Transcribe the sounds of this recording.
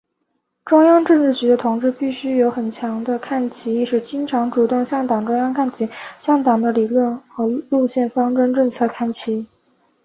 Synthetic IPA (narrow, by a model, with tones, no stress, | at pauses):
ʈ͡ʂʊ˥ŋjɑ˥ŋʈ͡ʂɤ˥˧ŋʈ͡ʂɻ̩˥˩t͡ɕy˧˥d̪ə˧t̪ʰʊ˧˥ŋʈ͡ʂɻ̩˥˧pi˥˩ɕy˥jo˧˥ʊxə˨˩nt͡ɕʰjɑ˧˥ŋd̪ə˧kʰa˥˩nt͡ɕʰi˧˥i˥˧ʂɻ̩˥˩t͡ɕi˥ŋʈ͡ʂʰɑ˧˥ŋʈ͡ʂu˨˩t̪ʊ˥˧ŋɕjɑ˥˩ŋt̪ɑ˨˩ŋʈ͡ʂʊ˥ŋjɑ˥ŋkʰa˥˩nt͡ɕʰi˧˥ɕjɑ˥˩ŋt̪ɑ˨˩ŋd̪ə˦li˨˩lwə˥˩nxɤ˧˥lu˥˧ɕjɛ˥˩nfɑ˥ŋʈ͡ʂə˥ŋʈ͡ʂɤ˥˧t͡sʰɤ˥˩kʰa˥˩nt͡ɕʰi˧˥˩